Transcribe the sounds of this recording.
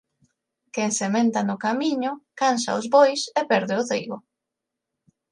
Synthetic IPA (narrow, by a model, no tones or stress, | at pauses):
keŋsemẽnt̪anʊkamĩɲʊkansa̰ʊzβojsepɛɾðɪʊθejɣʊ